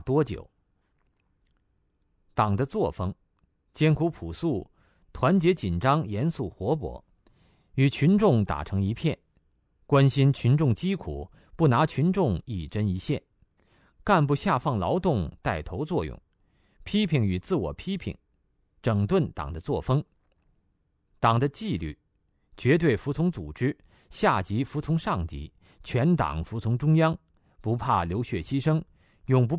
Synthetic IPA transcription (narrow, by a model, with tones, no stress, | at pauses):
t̪wɔ˥t͡ɕjo̰˨˩ʊ | t̪ɑ˨˩ŋd̪ə˦t͡swɔ˥˩fɤ˥ŋ | t͡ɕjɛ˥nkʰu˧˥pʰu˨˩su˥˩ | t̪ʰwa˧˥nt͡ɕjɛ˧˥t͡ɕi˨˩nʈ͡ʂɑ˥ŋjɛ˧˥nsu˥˩xwɔ˧˥p̬wɔ̰˧˥ | y˨˩t͡ɕʰy˧˥nʈ͡ʂʊ˥˩ŋt̪a̰˨˩ʈ͡ʂʰɤ˧˥ŋi˧˥pʰjɛ˥˩n | kwa˥nɕi˥nt͡ɕʰy˧˥nʈ͡ʂʊ˥˩ŋt͡ɕi˥kʰṵ˨˩˦ | pu˥˩na˧˥t͡ɕʰy˧˥nʈ͡ʂʊ˥˧ŋi˨˩ʈ͡ʂə˥ni˧˥ɕjɛ̰˥˩n | ka˥˧npu˥˧ɕja˥˧fɑ˥˩ŋlɑ˧˥ʊt̪ʊ˥˧ŋt̪a˥˩ɪt̪ʰo˧˥ʊt͡swɔ˥˧jʊ̰˥˩ŋ | pʰi˥pʰi˧˥ŋy˨˩t͡sɹ̩˥˩wɔ̰˨˩pʰi˥pʰḭ˧˩ŋ | ʈ͡ʂɤ˨˩ŋt̪wə˥˩nt̪ɑ̰˨˩ŋd̪ə˦t͡swɔ˥˩fɤ˥ŋ | t̪ɑ˨˩ŋd̪ə˦t͡ɕi˥˧ly̰˥˩ | t͡ɕɥɛ˧˥t̪we˥˩ɪfu˧˥t͡sʰʊ˧˥ŋt͡su˨˩ʈ͡ʂɻ̩˥ | ɕja˥˩t͡ɕi˧˥fu˧˥t͡sʰʊ˧˥ŋʂɑ˥˩ŋt͡ɕḭ˧˥ | t͡ɕʰɥɛ˧˥nt̪ɑ̰˨˩˦ŋfu˧˥t͡sʰʊ˧˥ŋʈ͡ʂʊ˥ŋjɑ˥ŋ | pu˧˥pʰa˥˩ljo˧˥ʊɕɥɛ˥˩ɕi˥ʂɤ˥ŋ | jʊ˨˩ŋp̬u˧˥